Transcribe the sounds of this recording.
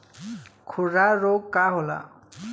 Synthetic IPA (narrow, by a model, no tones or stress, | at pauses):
kʰuɾaɾoɡkaɦola̰